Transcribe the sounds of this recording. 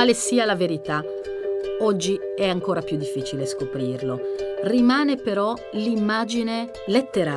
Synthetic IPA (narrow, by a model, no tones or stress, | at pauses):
aːlesiːalaveɾit̪a | ɔd͡ʒːiɛaŋkoːɾapjud̪ːifːiːt͡ʃileskopɾiːrlorimaːnepeɾɔ | limːaːd͡ʒine | let̪ːeɾa